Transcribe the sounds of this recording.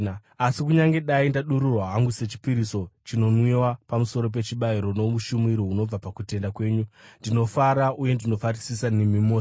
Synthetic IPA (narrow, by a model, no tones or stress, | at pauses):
asikuɲaŋɡe̞ɗaindaɗuɾurwaɦaŋɡuse̞t͡ʃi̥piɾiso̞t͡ʃino̞nwiwapamuso̞ɾo̞p̬e̞t͡ʃiɓaiɾo̞no̞ʋuʃumiɾouno̞b͡vapakute̞ndakwe̞ːɲundino̞faɾaʔuje̞ndino̞farisisanemimo